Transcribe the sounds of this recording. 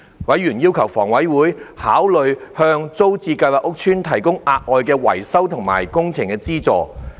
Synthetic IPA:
wɐ˨˥jɥyː˨˩njiː˥wkʰɐ˨˩wfɔ̰ː˨˩ŋwɐ˨˥jwuː˨˥jhaː˨˥wlɵ˨˧ɥhœː˧ŋt͡so˥wt͡siː˧kɐ˧jwaː˨˩kʔʊ˥k̚t͡ʃʰyː˥nt̪ʰɐ˨˩jkʊ˥ŋʔaː˧k̚ʔɔː˨˧jkɛː˧wɐ̰˨˩jsɐ˥wt̪ʰʊ˨˩ŋma̰ː˨˩jkʊ˥ŋt͡sʰɪ˨˩ŋkɛː˧t͡siː˥t͡sɔː˨˧

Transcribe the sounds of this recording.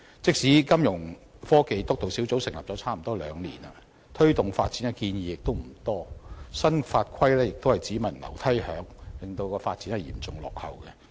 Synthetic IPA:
t͡sɪ˥k̚siː˨˥kɐ˥mjʊ˨˩ŋfɔː˥ke˨˧jt̪ʊ˥k̚t̪o˨wsiː˨˥wt͡so˨˥wsɪ˨˩ŋlɐ̰ː˨p̚t͡sɔː˨˥t͡sʰaː˥m̩˨˩t̪ɔː˥lœː˨˧ŋlḭː˨˩nɐ˨ | t̪ʰɵ˥ɥt̪ʊ˨ŋfaː˧t̚t͡siː˨˥nɐ˨˧kiː˧njiː˨jɪ˨k̚t̪o˥wm̩˨˩t̪ɔː˥sɐ˥nfaː˧t̚kʰɐ˥jlɛː˥jɪ˨k̚t̪o˥hɐ˨˩jt͡siː˨˥mɐ˨˩nlɐ̰˨˩wt̪ʰɐ˥jhœ̰ː˨˥ŋlɪ˨˩ŋt̪o˧wkɔː˧faː˧t̚t͡si˨˥nhɐ˨˩jḭː˨˩mt͡sʊ˨ŋlɔ̰ː˨k̚hɐ̰˨wkɛ˧

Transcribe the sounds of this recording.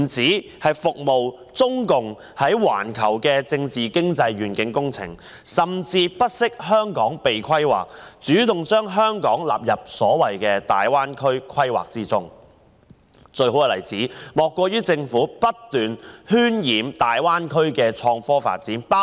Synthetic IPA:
nt͡siː˨˥ | hɐ˨jfʊ˨k̚mo˨w | t͡sʊ˥ŋkʊ˨ŋ | hɐ˨˥jwa̰ː˨˩nkʰɐ̰˨˩wkɛː˧t͡sɪ˧ŋt͡siː˨˩kɪ˥ŋt͡sɐ˧jɥyː˨˩nkɪ˨˥ŋkʊ˥ŋt͡sʰɪ̰˨˩ŋ | sɐ˨˩mt͡siː˧pɐ˥t̚sɪ˥k̚hœː˥ŋkɔː˨˥ŋpe˨jkʰɐ˥jwa̰ː˨k̚t͡ʃyː˨˥t̪ʊ˨ŋt͡ʃœː˥ŋɦœː˥ŋkɔː˨˥ŋla̰ː˨˩p̚jɐ˨p̚sɔː˨˥wɐ˨jkɛː˧t̪a̰ː˨jwaː˥nkʰɵ˥ɥkʰɐ˥jwa̰ː˨˩k̚t͡siː˥t͡sʊ˥ŋ | t͡ʃɵ˧ɥɦo˨˥wkɐː˨˧lɐ̰˨˩jt͡siː˨˥mɔː˨kːɔː˧ɥyː˥t͡sɪ˧ŋfuː˨˥pɐ˥t̚t̪yː˨nhyː˥njiː˨˩mt̪aː˨jwaː˥nkʰɵ˥ɥkɛː˧t͡ʃʰɔː˧ŋfɔː˥fa̰ː˨t̚t͡siː˨˥na˥

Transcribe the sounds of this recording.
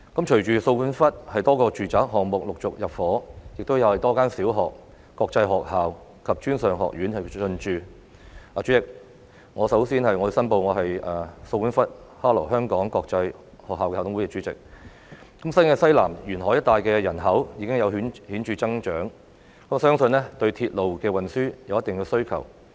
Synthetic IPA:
kɐ˨˥mt͡ʃʰɵ˨˩ɥt͡ʃyː˨so˧wkuː˨˥nfɐ˥t̚hɐ˨jt̪ɔː˥kɔː˧t͡ʃyː˨˩t͡saː˨˥k̚ɦɔː˨k̚mʊ˨k̚lʊ˨k̚t͡sʊ˨k̚jɐ˨p̚fɔː˨˥jɪ˨k̚t̪o˥wjɐ˧whɐ˨jt̪ɔː˥kaː˥nsiː˨˥wɦɔː˨k̚ː | ɔː˧k̚t͡sɐ˧jɦɔː˨k̚haː˨w | kʰɐ˨p̚t͡ʃyː˥nsœː˨ŋɦɔ̰ː˨k̚jyː˨˥nhɐ˨jɵ˧nt͡ʃyː˨˧ | ʔaː˨˩yː˨˥t͡sɪ˨k̚ | ŋɔː˨˧sɐ˨˥wsiː˥nhɐ˨jŋɔ˨˧ji˧sɐ˥npo˧wŋɔː˨˧ɦɐ˨jʔaː˨˩so˧wjyː˨˥nfɐ˥t̚haː˥lɔ̰ː˨˩ɦœː˥ŋkɔː˨˥ŋkɔː˧k̚t͡sɐ˧j | hɔː˨k̚haː˨wkɛː˧hːt̪ʰʊ˦ŋwkɛ˧t͡ʃy˨˥t͡sɪ̰˨k̚ | kɐ˨˥msɐ˥nkɛː˧sɐ˥jlaː˨˩mjyː˨˩nɦɔ˨˥jɐ˥t̪aː˨jkɛː˧jɐ˨˩nɦɐ˨˥wjiː˨˧kɪ˥ŋjɐ˨˧wɦnhiː˨˥nt͡ʃyː˧t͡sɐ˥ŋt͡ʃœː˨˥ŋ | kɐ˨˥m˩sœː˥ŋsɵ˧nlɛː˥t̪ɵ˧ɥt̪ʰiː˧t̚lo˨wkɛː˧wɐ˨˩nsyː˥jɐ˨˧wjɐ˥t̪ɪ˨ŋjiː˧wsɵ˥ɥkʰɐ̰˨˩w

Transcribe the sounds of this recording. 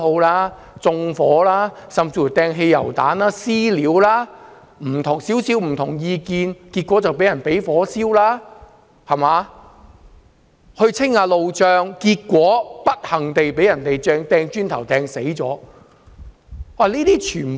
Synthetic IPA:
o˧wlaː˥ | t͡sʊ˧ŋfɔː˨˥laː˥sɐ˨mt͡siː˧˩u˨˩jt̪ɛː˧ŋɦe˧jːɐ̰˨˩wt̪a̰ː˨˥nlaː˥siː˥liː˨˥wlaː˥ | m̩˨˩t̪ʰʊ˨˩ŋsiː˨˥wsiː˨˥wm̩˨˩t̪ʰʊ˨˩ŋjiː˧kiː˧nkiː˧t̚kʷːɔː˨˥t͡sɐ˨wpe˨˥jɐ˨˩npe˨˥jfɔː˨˥siː˥wlaː˥ | hɐ˨˩maː˨˧ | hɵ˧t͡sʰɪ˥ŋːaː˧lo˨˧wt͡ʃœː˧ŋkiː˧t̚kːʷɔː˨˥pɐ˥t̚hɐ˨˩ŋt̪e˨jpe˨˥jɐ˨˩nt̪e˨jt͡sɛː˧ŋt̪ɛː˧ŋt͡ʃyː˥nt̪ʰɐ˨˩wt̪ɛː˧ŋse˨˥jt͡sɔː˨˥ | waː˨˩liː˥t̪iː˥t͡ʃʰyː˨˩n

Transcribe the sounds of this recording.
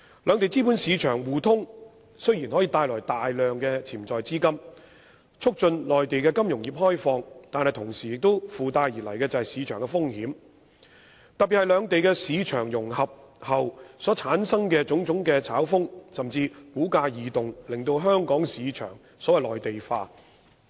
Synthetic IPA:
lœː˨˧ŋt̪e˨jt͡siː˥pu˨˥nsiː˨˧t͡ʃʰœː˨˩ŋwuː˨˩t̪ʰʊ˥ŋ | sɵ˥ɥjiː˨˩nɦɔː˨˥jiː˨˧t̪aː˧jlɔː˨˩jt̪aː˨jlœː˨ŋkɛː˧t͡sʰiː˨˩mt͡sɔː˨jt͡siː˥kɐ˥m | t͡sʰʊ˥k̚t͡ʃɵ˧nlɔː˨jt̪e˨jkɛː˧kɐ˥mjʊ˨˩ŋjiː˨˩p̚hɔː˥jfɔː˧ŋt̪aː˨nhɐ˨jt̪ʰʊ˨˩ŋsiː˨jɪ˨k̚t̪o˥wfuː˨t̪aː˧jjiː˨˩lɐ˨˩jkɛː˧t͡sɐ˨hɐ˨jsiː˨˧t͡ʃʰœː˨˩ŋkɛ˧fʊ˥ŋhiː˨˥m | t̪ɐ˨t̚piː˨thɐ˨jlœː˨˧ŋt̪e˨jkɛː˧siː˨˧t͡ʃʰœː˨˩ŋjʊ˨˩ŋhɐ˨p̚ | hɐ˨wsɔː˨˥t͡sʰaː˨˥nsɐ˥ŋkɛː˧t͡sʊ˨˥ŋt͡sʊ˨˥ŋkɛː˧t͡sʰaː˨˥wfʊ˥ŋsɐ˨mt͡siː˧kuː˨˥kaː˧jiː˨˩t̪ʊ˨ŋlɪ˨ŋt̪o˧wɦœː˥ŋkɔː˨˥ŋsiː˨˧t͡ʃʰœ̰ː˨˩ŋ | sɔː˨˥wɐ˨jlɔː˨jt̪e˨jfaː˧

